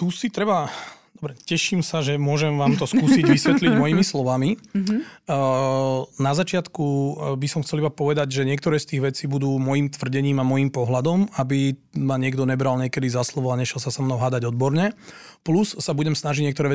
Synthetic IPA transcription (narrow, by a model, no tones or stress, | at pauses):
t̪usit̪ɾɛbad̪̥ɔbɾɛcɛʃimsaʒɛmʊɔʒɛmʋaːmt̪ɔskuːsiɟʋisʋɛt̪liɟmɔjiːmislɔʋami | nazat͡ʃɪat̪kubisɔmxt͡sɛlibapɔʋɛd̪aɟʒɛɲɪɛk̚t̪ɔɾɛːst̪iːɣʋɛt͡siːbud̪uːmɔjimt̪ʋr̩ɟɛɲiːmamɔjiːmpɔɦlad̪ɔmabi | maɲɪɛɡd̪ɔɲɛbɾalɲɪɛkɛd̪izaslɔʋɔlaɲɛʃɛlsasɔmnɔʊɦaːd̪aɟɔd̪̚bɔɾɲɛ | plusːabuɟɛmsnaʒiɟɲɪɛkt̪ɔɾɛːʋɛ